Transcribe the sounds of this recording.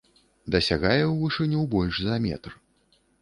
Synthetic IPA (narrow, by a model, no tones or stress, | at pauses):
d̪ɐsʲaɣajɛwvɨʂɨnʲuwbɔlʲʂzɐmʲɛ̰t̪r